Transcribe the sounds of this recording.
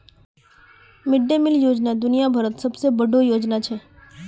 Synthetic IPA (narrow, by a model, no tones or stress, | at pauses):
mɪɖːemɪljoːd͡ʒnad̪ʊnijabʱɐɾət̪sɐbsebɐɖʱojoːd͡ʒnat͡ʃʰɛ